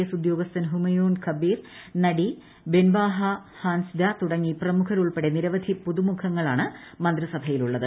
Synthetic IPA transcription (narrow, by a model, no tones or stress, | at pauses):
ɐsud̪jo̞ːɡɐst̪ɐnɦumɐjoːnkʰɐbiːrnɐɽi | benbaːɦɐhaːnsd̪at̪uɽɐŋːiprɐmukʰɐɾuɭpeɽeniɾɐʋɐd̪ʱipuðumukʰɐŋːɐɭaːɳɨmɐnd̪rɨsɐbʱɐjiluɭːɐðɨ